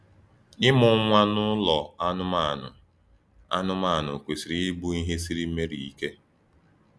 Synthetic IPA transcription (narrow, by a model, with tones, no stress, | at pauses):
ɪ˦mʊ˨˦ŋʷa˦nʊ˦lɔ˨a˦nʊ˦ma˦˨nʊ̰˨ | a̰˦nʊ˦ma˦˨nʊ̰˨kʷe˨si˨ɾi˦bu˦i˦ɦe˦si˦ɾi˦me˦ɾḭ˨i˦ke˦